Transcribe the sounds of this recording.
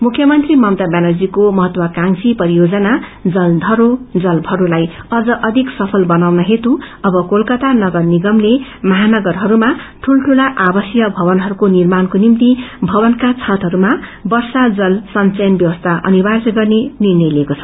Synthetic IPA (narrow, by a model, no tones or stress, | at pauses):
mukʰːjʌmʌnt̪rimʌmt̪abjanʌld͡zikomʌɦʌt̪wʌkaŋsipʌɾijod͡zʌna | d͡zʌld̪ʱʌɾod͡zʌlbʱʌɾulaj | ʌd͡zʌʔʌd̪ʱiksʌpʰʌlbʌnawnʌɦet̪u | ʌbʌkolkʌt̪anʌɡʌrniɡʌmlemʌɦanʌɡʌrɦʌɾuma | ʈʰulʈʰulaʔabʌsjʌbʱʌbʌnɦʌɾukonirmankonimt̪ibʱʌbʌnkat͡sʰat̪ɦʌɾumabʌrsad͡zʌlsʌnt͡sejnbjʌwʌst̪ʰaʔʌ̰nibʱasɡʌrnenirnʌjlekot͡sʰʌ̥